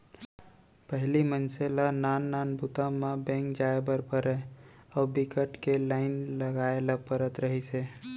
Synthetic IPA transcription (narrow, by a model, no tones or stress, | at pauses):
pəɦlimənselanaːnːaːnbut̪amãbẽːŋkd͡ʒaːebəɾpəɾeɔːbɪkəʈkelaːɪnləɡaːelapəɾət̪ɾəɦise